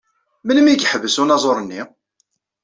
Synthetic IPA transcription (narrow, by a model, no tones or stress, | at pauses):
mənəmikħəvəsunɑzˤoɾˤənːi